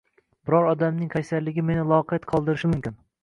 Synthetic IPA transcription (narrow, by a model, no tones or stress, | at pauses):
b̥ɪɾɒɾɒd̪amnɪŋkʰʲajsaɾlɪɡʲɪme̞nɪlˠɒqʰet̪qʰɒlˠd̪ɪɾɪʃɪmʊmkʲɪn